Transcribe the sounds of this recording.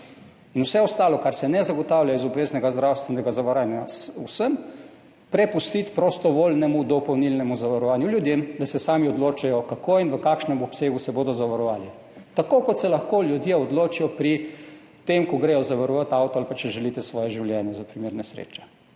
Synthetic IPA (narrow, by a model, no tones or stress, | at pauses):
inwsɛɔst̪aːlɔkaɾsɛnɛzaɡɔt̪awljaizɔbʋeːznɛɡazd̪ɾawst̪ʋɛnɛɡazaʋaɾaːnjasusəm | pɾɛpust̪it̪pɾost̪ɔʋolnɛmud̪ɔpɔwnilnɛmuzaʋaɾɔʋaːnjuljud̪jemd̪asɛsaːmiɔd̪loːt͡ʃajɔkakʰoːinʋəkaːkʃnɛmɔpseːɡusɛboːd̪ɔzaʋaɾɔʋaːli | t̪akoːkɔt̪sɛlɐxkoljud̪jeɔd̪loːt͡ʃijɔpɾi | t̪emkɔɡɾɛjɔzaʋaɾɔʋat̪awt̪ɔalpat͡ʃɛʒɛlit̪ɛsʋɔːjɛʒiwljɛnjɛzapɾimeːɾnɛsɾḛt͡ʃɛ̥